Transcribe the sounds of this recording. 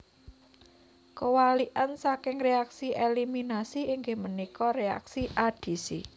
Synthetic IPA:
kəwaliʔansakɪŋreaksiʔeliminasiiŋɡɪhmənikɔrea̰ksiʔad̥i̤sḭ

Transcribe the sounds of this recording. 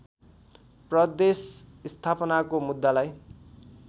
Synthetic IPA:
prʌd̪esist̪ʰapʌnakomud̪ːalaj

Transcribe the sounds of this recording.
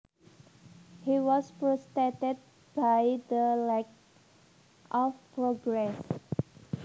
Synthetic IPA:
hiwɔspɾɔst̪etəd̚ | b̥ajd̪əlɛk̚ | ʔɔfpɹɔɡɾɛs

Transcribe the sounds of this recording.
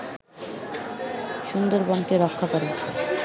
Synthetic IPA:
ʃund̪oɾbɔnkeɾɔkʰːakoɾe

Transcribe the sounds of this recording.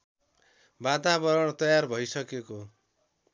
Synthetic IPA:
bat̪abʌɾʌɽ̃t̪ʌjarbʱʌjsʌkeko

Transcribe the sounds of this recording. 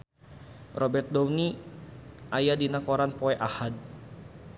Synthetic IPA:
rɔbɛrt̪̚dɔwni | ʔajadinakɔɾanpɔɛʔahad̚

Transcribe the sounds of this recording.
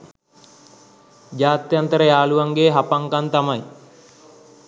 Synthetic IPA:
d͡ʒaːt̪jant̪əɾəjaːluʋaŋɡeːɦapaŋkant̪amaj

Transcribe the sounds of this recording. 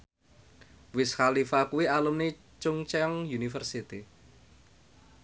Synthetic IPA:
wɪskalifakuwialumne | t͡ʃuŋt͡ʃɛŋjunifərsit̪i

